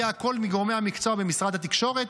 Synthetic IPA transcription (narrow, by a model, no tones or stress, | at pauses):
ako̞lmiɡoʁome̞hamikt͡so̞abemisʁad̪hat̪ikʃo̞ʁet̪